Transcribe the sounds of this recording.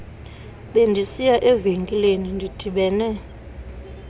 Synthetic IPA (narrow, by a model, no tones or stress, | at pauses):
ɓendʱisijaʔɛveŋkʼilenindʱid̥ʰʱiɓɛːnɛ